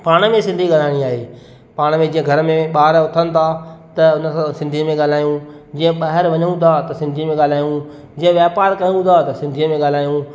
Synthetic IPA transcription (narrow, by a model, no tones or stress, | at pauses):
paːɽ̃mẽsɪ̃nd̪ʱiɠaːl̤aːɪɽ̃iaːɦeː | paːɽ̃mẽd͡ʑĩːə̃ɡʱɐɾmẽɓaːɾʊt̪ʰənɪ̆t̪ʰat̪ɐʊnə̆sãsɪ̃nd̪ʱimẽɠaːl̤aːjũ | d͡ʑĩːə̃ɓaːɦɪɾʋɐɲəɽ̃ũt̪ʰat̪ɐsɪ̃nd̪ʱimẽɠaːl̤aːjũ | d͡ʑĩːə̃ʋjaːpaːɾkajũt̪ʰat̪ɐsɪ̃nd̪ʱiəmẽɠaːl̤aːjũ